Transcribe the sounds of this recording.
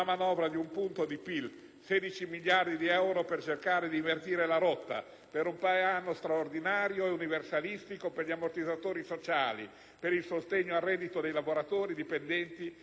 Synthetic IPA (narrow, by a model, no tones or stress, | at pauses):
amanɔːvɾad̪iumpunt̪od̪ipil | sɛːd̪it͡ʃimiʎːard̪id̪iɛwɾopert͡ʃerkaːɾed̪iiɱvert̪iːɾelaɾɔt̪ːa̰ | peɾumpaːeanːost̪ɾaord̪inaːɾjoeuniversalist̪ikoperʎiamort̪id̪zat̪oːɾisot͡ʃaːlḭ | peɾilsost̪eɲːoarːɛːd̪it̪od̪ejlavoɾat̪oːɾid̪ipend̪ɛnt̪i